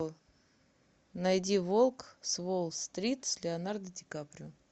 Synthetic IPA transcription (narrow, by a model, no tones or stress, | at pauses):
nɐjdʲivolˠksvolˠst̪ɾʲit̪sʲlʲɪɐnard̪ədʲɪkapɾʲʊ